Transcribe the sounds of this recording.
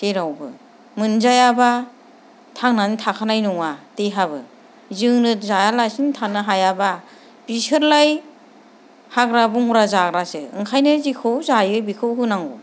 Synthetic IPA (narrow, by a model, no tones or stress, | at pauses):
seɾawbɯ̰ | mɯnzajaba | tʰaŋnanitʰakʰanajnuŋateɦabɯ | zɯŋnɯzajalajsintʰanɯɦajaba | bisʰɯɾlaj | haɡɾabuŋuɾazaɡɾasɯɯ̰ŋkʰajnɯzikʰɯwzajɯbikʰɯwɦɯnaŋṵ